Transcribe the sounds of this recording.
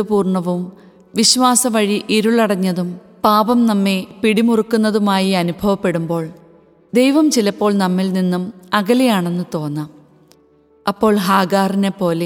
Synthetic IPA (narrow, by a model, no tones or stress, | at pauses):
upuːrɳɐʋum | ʋiɕʋaːsɐʋɐɻiʔiɾuɭɐɽɐɲːɐðum | paːbɐmnɐmːe̞piɽimurukːunːɐðumaːjiɐnubʱɐʋɐpːe̞ɽumbo̞ːɭ | d̪e̞jʋɐmt͡ɕilɐpːo̞ːɭnɐmːilninːumɐɣɐlejaːɳe̞nːɨt̪o̞ːnːɐ | ɐpːo̞ːɭɦaːɡaːrinepːo̞ːle